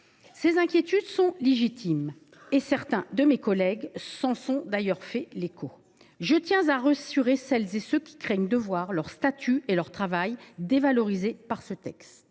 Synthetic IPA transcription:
sezɛ̃kʲjet̪yd̪sɔ̃leʒit̪ʰim | esɛʁt̪ɛ̃d̪əmekɔlɛɡsɑ̃sɔ̃d̪ajœʁfɛlekʰo | ʒət̪jɛ̃zaʁəsyʁesɛlzesøkʲi̥kχɛɲd̪əvwaʁlœʁst̪at̪ʰyelœʁt̪χavajd̪evalɔʁizepaʁsət̪ɛkst̪

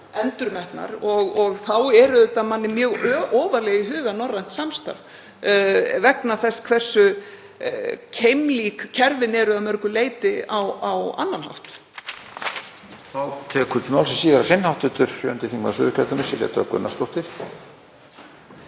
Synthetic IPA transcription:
ɛnt̪ʏɾmɛht̪na̰ɾɔɣɔɣθawɛɾʏðɛht̪amanːɪmjœːɣœːʔɔːvaɾlɛːɣɪɦʏːɣanɔrːajn̥t̪samst̪a̰v | vɛknaθɛsːkʰv̥ɛr̥sːʏ | cʰejmliːkcʰɛɾvɪnɛɾʏamœɾkʏleːjt̪ɪawawa̰nːanha̰wht̪ | θawt̪ʰɛːkʏt̪ʰɪlmawlsɛmsiːɣɪɾasɪnːhawt̪ʏt̪ʏɾ̥sjœːʏnt̪ɪθiŋkma̰sʏ̰ːðʏkʰɛt̪ʏnɪsɛlɛ̰ːt̪aakʏ̰nːa̰st̪ɔwht̪ɪɾ̥

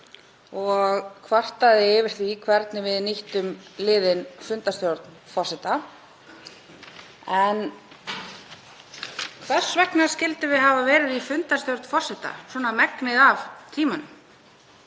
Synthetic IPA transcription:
ɔɣkʰvar̥t̪aðɪɪvɪɾ̥θvikʰvɛɾt̪nɪvɪðniht̪ʏmlɪːðɪnfʏnt̪ast̪jɔwɾt̪nfɔr̥sɛt̪a | ɛn | kʰvɛ̥svɛknascɪlt̪ɪvɪðɦavavɛːɾɪðifʏnt̪ast̪jɔwɾt̪n̥fɔr̥sɛt̪a̰swɔːnamɛknɪðavt̪ʰiːman

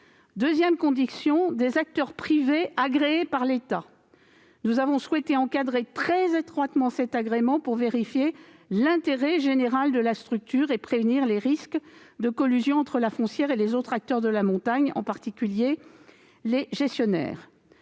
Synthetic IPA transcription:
d̪øzjɛmkɔ̃d̪isjɔ̃d̪ezak̚t̪œʁpχiveaɡʁeːpaʁlet̪a | nuzavɔ̃swɛt̪eɑ̃kad̪ʁet̪χɛzet̪χwat̪mɑ̃sɛt̪aɡʁemɑ̃puʁveʁifjelɛ̃t̪eʁɛʒeneʁald̪əlast̪χyk̚t̪yʁepχevniʁleʁiskd̪əkɔlyzjɔ̃ɑ̃t̪χəlafɔ̃sjɛʁelezot̪χak̚t̪œʁd̪əlamɔ̃t̪aɲɑ̰̃paʁt̪ikʲylje | leʒɛst̪jɔnɛ̰ːʁ

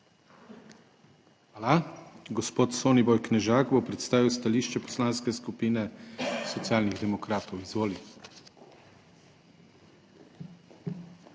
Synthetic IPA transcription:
xaːlaɡɔspoːt̪soːnibɔjknɛʒaːɡbopɾɛt̪st̪aːʋiwst̪aliːʃt͡ʃɛpɔ̥slaːnskɛskupiːnɛsɔt̪siaːlniɣd̪ɛmɔkɾaːt̪ɔwizʋoːli

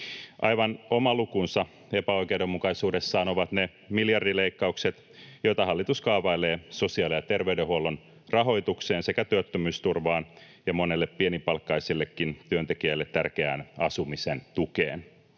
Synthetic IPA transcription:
ʔɑjʋɑno̞mɑlukunsɑ | epæo̞jkewdemːukɑisuːde̞sːɑːnoʋɑt̪ne | miljɑrdileikːɑukset̪ | jojt̪ɑɦɑlːit̪uskɑuʋɑileːso̞siɑlijɑt̪erʋeydehuolːon | rɑɦo̞it̪ukseːnse̞kæt̪yøt̪ːømyːst̪urʋɑːn | jɑmone̞lːeppienipɑlkːɑisilːekːint̪yønt̪ekiæilːet̪tːærkeæ̰ːnɑsumisent̪ukḛːn

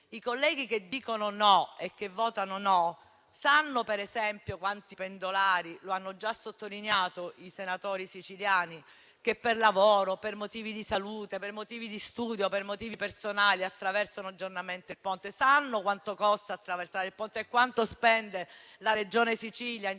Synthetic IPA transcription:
ikolːɛːɡ̟ik̟ed̪iːkononɔek̟ːevːɔːt̪anonɔ | sanːopeɾezɛmpjokwant̪ipend̪olaːɾiloanːod͡ʒasːot̪ːolineaːt̪oisenat̪oːɾisit͡ʃiljaːni | kepːerlavoːɾopermot̪iːvid̪isaluːt̪epermot̪iːvid̪ist̪uːd̪jopermot̪iːvipersonaːliat̪ːɾavɛrsanoad͡ʒːornament̪elpont̪esanːokwant̪okɔst̪aːt̪ːɾaversaːɾeilpont̪eekːwant̪ospɛnd̪elaɾed͡ʒoːnesit͡ʃiːlja

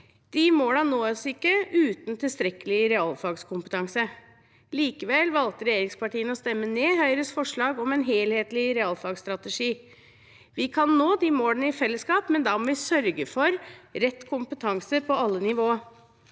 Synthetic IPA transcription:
d̪̥imoːlɑnnoːəsɪkːəʔʉːt̪n̩t̪ʰɪlst̪ɾɛkəlɪɾɛɑlfɑɡskʰʊmpət̪ʰɑŋsə | liːkəʋɛlʋɑlt̪əɾɛjeːɾɪŋspɑʈiːənɔst̪ɛmːəneːɦœʏɾəsfɔʂɭɑːɡɔmɛnɦeːlheːt̪lɪɾɛɑlfɑɡst̪ɾɑt̪əʂiː | ʋɪkʰɑnːoːd̪imoːlənəɪfɛlːəskɑːpmɛnd̪ɑːmɔʋɪsœɾɡəfɔɾɾɛt̪ːkʰʊmpət̪ʰɑŋsəɾpʰɔɑlːənɪʋoːə

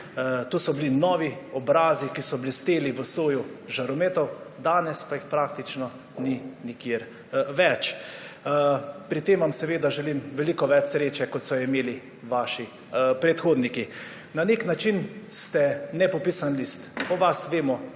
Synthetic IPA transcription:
t̪osɔblinɔːʋiɔbɾaːzikisɔblist̪eːliʋəsoːjuʒaɾɔmet̪ɔwd̪aːnɛspaixpɾaːk̚t̪it͡ʃnɔ | ninikjeɾ | ʋɛt͡ʃ | pɾit̪eːmʋamsɛʋeːd̪aʒɛlimʋɛlikɔʋɛt͡ʃsɾeːt͡ʃɛkɔt̪sɔimeːli | ʋaʃi | pɾɛt̪xoːd̪niki | naneknat͡ʃinst̪ɛnɛpɔpiːsanlist̪ɔʋasʋeːmɔ

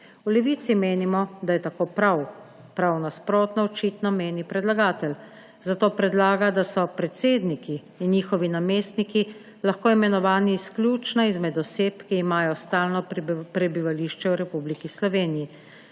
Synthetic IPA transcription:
ulɛʋiːt̪simeːnimɔd̪ajɛt̪akoːpɾaw | pɾawnaspɾoːt̪nɔɔt͡ʃiːt̪nɔmeːnipɾɛd̪laɡaːt̪ɛl | zat̪oːpɾɛd̪laːɡad̪asɔpɾɛt̪seːd̪nikiː | njiːxɔʋinameːst̪niki | laxkoːimɛnɔʋaːniːsklʲjuːt͡ʃnaizmɛd̪ɔseːpkiːmaːjɔst̪aːlnɔpɾɛbiʋaliːʃt͡ʃɛwɾɛpublikislɔʋeːniji

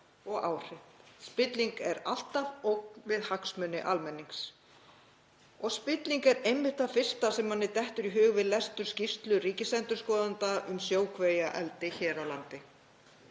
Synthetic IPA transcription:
ɔɣaːwr̥ɪht̪spɪt̪liŋkɛɾa̰l̥t̪avowknvɪðhaksmʏnːɪ̰ʔalmɛnːiŋks | ɔɣspɪt̪liŋkɛɾejmːɪht̪afɪr̥st̪asɛmːanːɪt̪ɛht̪ʏɾiɦʏːɣvɪðlɛst̪ʏɾ̥scist̪lʏriːcɪsɛnt̪ʏɾ̥skɔːðant̪aʔʏmsjoːwkʰveːjaʔɛlt̪ɪçɛːɾawlant̪ɪ

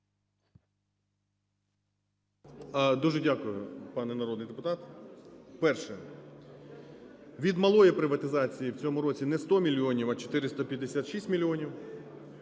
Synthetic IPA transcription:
d̪uʒɛdʲakʊjʊpɑnɛnɐɾɔd̪nɪjd̪epʊt̪ɑt̪ | pɛrʃɛ | ʋʲid̪mɐlˠɔjipɾɪʋɐt̪ɪzɑt͡sʲijiwt͡sʲɔmʊɾɔt͡sʲinɛst̪ɔmʲilʲːiɔnʲiwɐt͡ʃɔ̥t̪ɪɾɪst̪ɐpʲjɐd̪ːesʲat̪ʃisʲtʲmʲilʲiɔnʲiw

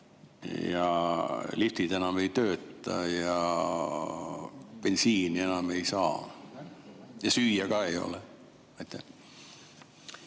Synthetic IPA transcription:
jɑlift̪id̪e̞nɑme̞jt̪øːt̪ːˑɑ̰jɑ | pe̞nsiːnie̞nɑme̞jsɑ̰ː | jɑsyːjækɑːejo̞̰le | ɑt̪ːˑe

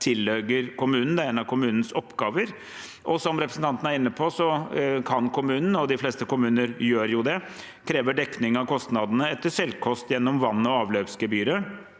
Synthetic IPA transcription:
t̪ʰɪlːøːɡəɾkʊmʉːnn̩d̪ɛæɾɛːnɑʋkʰʊmʉːnn̩sɔpːɡɑːʋəɾ | ʔɔsɔmɾɛpɾsn̩t̪ɑnt̪ən̩æɾɪnːəpʰɔsɔkʰɑnkʰʊmʉːnn̩ɔd̪ɪfleːst̪əkʊmʉːnəɾjøːɾjʊd̪ɛ | kʰɾeːʋəɖɛkːnɪŋɑʋkʰɔst̪nɑd̪nəɛt̪ːəʂɛlkʰɔst̪jɛnːɔmʋɑnːɔɑːʋløːpskəbyːɾə

